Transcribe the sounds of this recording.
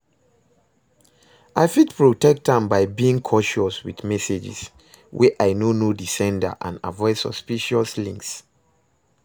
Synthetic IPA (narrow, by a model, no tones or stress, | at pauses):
ʔaɪfitpɹotɛk̚tãmbaɪbiĩŋkʰɔʃɔswiθmɛsed͡ʒɪ̰s | wʔɛʔaɪnonodisɛ̃ndə̰ʔãnavɔɪsɔspiʃɔslĩŋks